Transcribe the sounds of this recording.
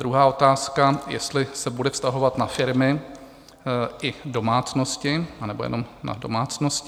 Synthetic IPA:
dɾuɦaːo̞t̪aːskajɛ̰st̪lɪsɛbudɛfst̪aɦo̞vat̪nafɪɾmɪ | ʔɪdo̞maːt͡snoscɪanɛbojɛ̰no̞mna̰do̞̰maːt͡snosc

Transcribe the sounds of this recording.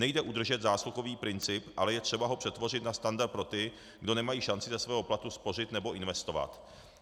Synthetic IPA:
nɛjdɛʔud̪r̩ʒɛt̪zaːsluxo̞viːpɾɪnt͡sɪpʔalɛjɛt̪r̝̥ɛbaɦo̞pr̥ɛt̪vo̞r̝ɪt̪nast̪andaɾ̚pɾo̞t̪ɪ | ɡdo̞nɛmajiːʃant͡sɪzɛsvɛːɦo̞plat̪uspo̞rɪt̪nɛbo̞ʔɪnvɛst̪o̞va̰t̪

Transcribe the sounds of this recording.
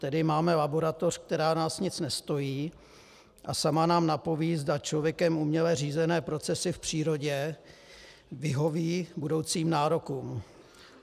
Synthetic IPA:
t̪ɛdɪmaːmɛlabo̞ɾat̪o̞r̥k̚t̪ɛɾaːnaːsɲɪt͡snɛst̪o̞jiː | ʔasamanaːmnapo̞viːzdat͡ʃlo̞vjɛkɛmumɲɛlɛriːzɛnɛːpɾo̞t͡sɛsɪfpr̝̥iːɾo̞ɟɛ | vɪɦo̞viːbudo̞wt͡siːmnaːɾo̞kuːm

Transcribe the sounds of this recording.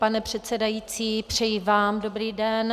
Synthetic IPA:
panɛpr̝̥ɛt̪t͡sɛdajiːt͡siːpr̝̥ɛjivaːmdobɾiːdɛn

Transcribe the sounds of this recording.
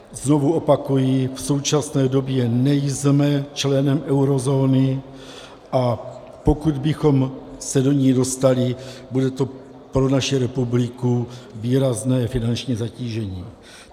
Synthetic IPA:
zno̞vuo̞pakujifso̞wt͡ʃasnɛːdo̞bjɛnɛjzmɛt͡ʃlɛnɛmʔɛwɾo̞zo̞ːnɪ | ʔa | po̞kud̪bɪxo̞msɛdo̞ɲiːdo̞st̪alɪbudɛt̪o̞ | pɾo̞naʃiɾɛpublɪkuviːɾaznɛːfɪnant͡ʃɲiːzaciːʒɛɲiː

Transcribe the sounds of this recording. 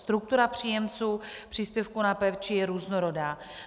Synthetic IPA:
st̪ɾuk̚t̪uɾapr̝̥iːjɛmt͡suːpr̝̥iːspjɛfkunapɛft͡ʃɪjɛɾuːznoɾodaː

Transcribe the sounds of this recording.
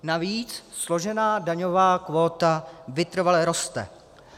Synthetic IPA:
naviːt͡sslo̞ʒɛnaːdaɲovaːkvo̞ːt̪avɪt̪r̩valɛɾo̞st̪ɛ̰

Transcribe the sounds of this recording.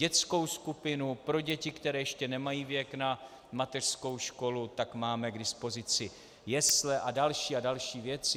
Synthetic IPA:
ɟɛt͡sko̞wskupɪnupɾo̞ɟɛcɪkt̪ɛɾɛːjɛʃcɛnɛmajiːvjɛkna | mat̪ɛr̥sko̞wʃko̞lut̪akmaːmɛɡdɪspo̞zɪt͡sɪ | jɛslɛʔadalʃiːadalʃiːvjɛt͡sɪ

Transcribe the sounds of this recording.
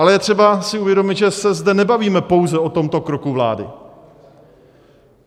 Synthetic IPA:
alɛjɛt̪r̥ɛbasɪuvjɛdo̞mɪt̪ʒɛsɛzdɛnɛbaviːmɛpo̞wzɛo̞t̪o̞mt̪o̞kɾo̞kuvla̰ːdɪ̰

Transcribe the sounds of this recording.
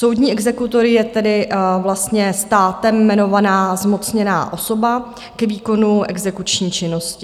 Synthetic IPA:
so̞wd̪ɲiːʔɛɡzɛkut̪o̞ɾɪjɛt̪ɛdɪvlast̪ɲɛst̪aːt̪ɛmːɛno̞vanaːzmo̞t͡sɲɛna̰ːʔo̞so̞ba | kɛviːko̞nuʔɛ̰ɡzɛkut͡ʃɲiːt͡ʃɪno̞scɪ

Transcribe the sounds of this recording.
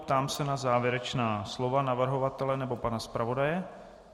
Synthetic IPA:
pt̪aːmsɛnazaːvjɛɾɛt͡ʃnaːslo̞vanavr̩ɦo̞vat̪ɛlɛnɛbo̞panaspɾavo̞dajɛ

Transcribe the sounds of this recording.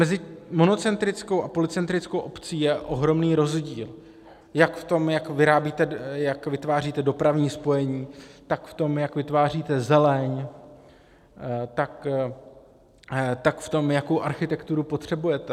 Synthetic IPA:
mɛzɪmo̞no̞t͡sɛnt̪ɾɪt͡sko̞wʔapo̞lɪt͡sɛnt̪ɾɪt͡skowʔo̞pt͡siːjɛʔo̞ɦɾo̞mniːɾo̞zɟiːl | jakft̪o̞mjakvɪɾaːbiːt̪ɛjakvɪt̪vaːr̝iːt̪ɛdo̞pɾavɲiːspo̞jɛɲiːt̪akft̪o̞mjakvɪt̪vaːriːt̪ɛzɛlɛɲ | t̪ak | t̪akft̪o̞mjako̞wʔaɾxɪt̪ɛkt̪uɾupo̞t̪r̝̥ɛbujɛt̪ɛ

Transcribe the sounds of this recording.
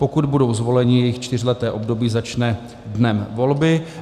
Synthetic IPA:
po̞kud̪budo̞wzvo̞lɛɲɪjɛjɪxt͡ʃt̪ɪr̝lɛt̪ɛːʔo̞bdo̞biːzat͡ʃnɛ | dnɛmvo̞lbɪ

